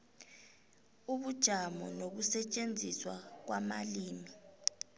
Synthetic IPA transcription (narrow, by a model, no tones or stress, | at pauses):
uɓud̥ʒ̥ʱamɔ̰nok̬usɛt͡ʃʼend͡zʱiswak̬wamaliːmi